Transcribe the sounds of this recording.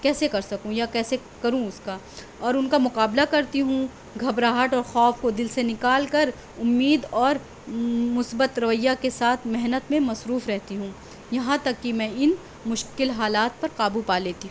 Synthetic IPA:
kɛːsekɐɾsɐkũjakɛːse | kɐɾũʊska | ɔːɾʊnkamʊqaːblakɐɾt̪iɦũ | ɡʱɐbɾaːɦəʈɔːɾxɔːfkod̪ɪlsenɪkaːlkɐɾ | ʊmːiːd̪ɔːɾ | mʊsbət̪ɾɐʋəjːakesaːt̪ʰmɛɦnət̪mẽmɐsɾuːfɾɛɦt̪iɦũː | jɐɦãt̪ɐkːimɛ̃ːɪn | mʊʃkɪlɦaːlaːt̪̚pɐɾqaːbupaːleːt̪iɦũː

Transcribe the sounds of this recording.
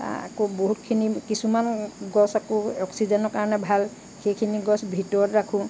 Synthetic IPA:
a̰koboɦutkʰinikisumanɡɔsakɔɔksizɔnɔɹkaɹɔnɛbʱal | xejkʰiniɡɔsbʱitɔɹɔtɹakʰʊ̃

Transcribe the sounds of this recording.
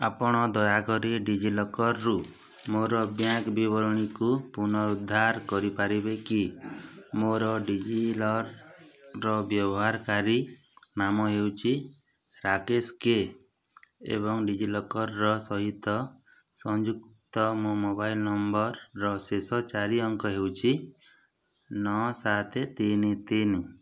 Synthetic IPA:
apɔɽ̃ɔd̪ɔjaɡɔɾiɖid͡ʒilɔkɔɾɾu | moɾɔbjakbibɔɾɔɽ̃ikupunɔɾud̪ʱːaɾkɔɾipaɾibeki | moɾɔɖid͡ʒilɔɾː | ɔbjɔbɔɦaɾkaɾi | namɔɦewt͡ʃʰi | ɾakeske | ḛβɔŋɖid͡ʒilɔkɔɾːɔsɔɦit̪ɔ | sɔnd͡ʒuk̚t̪ɔmomobajlnɔmbɔɾːɔsesɔt͡ʃaɾiɔŋkɔɦewt͡ʃʰi | nɔsat̪ʰet̪init̪enu

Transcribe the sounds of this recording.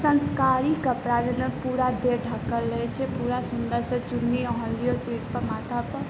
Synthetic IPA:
sə̃nskaɾikapɾaːd̪nəpuːɾad̪eʈʰakəlːəjt͡ʃʰepuɾasund̪əɾsət͡ʃunːiɔɦə̃lijosiːʈpəmat̪ʰapə

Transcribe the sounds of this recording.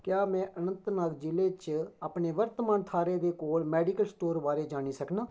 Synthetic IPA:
kjaːmɛ̃ːʔənə̃nt̪naːɡd͡ʒɪleːt͡ʃaːpneːʋəɾt̪mãːnt̪ʰaːɾeːd̪eːkoːlmɛːɖiːkəlsʈoːɾbaːɾeːd͡ʒaːɽ̃iːsəknaː

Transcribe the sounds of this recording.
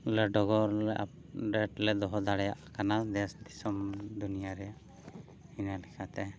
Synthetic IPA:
ləɖɔɡɔɾlɛʔa̰p̚ | ɾɛʈlɛd̪ɔɦɔd̪aɽɛjaʔkanad̪ɛsd̪isɔmd̪unijaɾɛjaʔ | hinalɛkʰat̪ɛ

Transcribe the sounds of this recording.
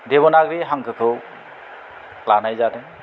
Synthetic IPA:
deβɔnaɡɾiɦaŋkɯkʰɯw | lanajzadɛ

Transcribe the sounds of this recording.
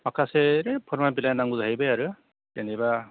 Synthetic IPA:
akʰaseɾepʰɔɾmabilajnaŋuzaɦjbejaɾɯ | teniba

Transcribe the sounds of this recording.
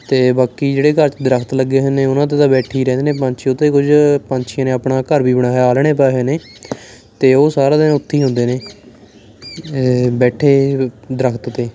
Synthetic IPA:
t̪eːbaːkiːd͡ʒeːɽeːkəɾt͡ʃd̪ɾəkʰt̪ləɡeːɦənneːʊnãːt̪̬eːt̪ãːbɛːʈʰiːɾɛ̃ːnd̪eːnẽːpə̃ɲt͡ʃʰʊt̪ːeːkʊd͡ʒpãɲt͡ʃʰijãːnẽːəpɳaːkəɾbiːbəɽaːaːlɽeːpaːɦeːneː | t̪eːoːsaːɾãːd̪ɪnãːʊt̪ʰːiːɦʊ̃nd̪eːneː | bɛːʈʰeːd̪əɾəkʰt̪t̪eː

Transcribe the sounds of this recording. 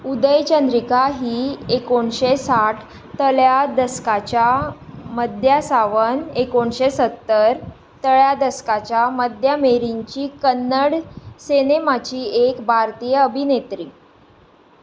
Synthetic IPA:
ud̪əjt͡ɕənd̪ɾikaɦiːekoɳɕesaʈʰ | t̪əljad̪əskat͡ɕjaməd̪ʱjasaʋənekoɳɕesət̪ːəɾ | t̪əɭjad̪əskat͡ɕjaməd̪ʱjameɾiɲt͡ɕiːkənːəɽsenemat͡ɕiːekbʱaɾt̪ijəəbʱinet̪ɾiː

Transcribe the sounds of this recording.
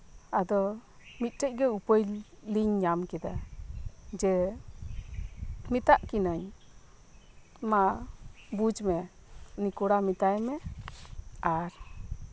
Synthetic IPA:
ad̪ɔmit̪̚ˀʈəc̚ˀɡɛupəjliɲɲamkɛd̪a̰ | d͡ʒɛ | mit̪aʔkinaɲ | ma | bud͡ʒmɛ | nikɔɽamit̪ajmɛ | aɾ

